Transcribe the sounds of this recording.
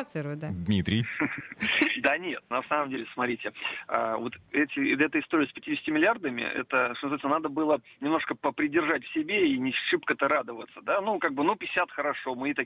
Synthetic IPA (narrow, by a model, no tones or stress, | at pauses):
t̪sɨɾʊjd̪ad̪mʲit̪ɾʲɪj | d̪anʲe̞t̪nɐsaməmdʲelʲɪsmɐt̪ɾʲitʲɪa̰vot̪ɛtʲɪɛt̪əɪst̪o̞ɾʲɪəspʲɪtʲidʲɪsʲtʲɪmʲɪlʲɪard̪əmʲɪ̰ɛ̰t̪əʂt̪onzvat̪snənad̪əbɨlˠənʲɪmno̞ʂkəpəpɾʲɪdʲɪrʐatʲfsʲɪbʲeinʲɪʂɨpkət̪əɾad̪əvət̪səd̪anukaɡ̚bɨnupʲɪsʲat̪xəɾɐʂomɨit̪ɐ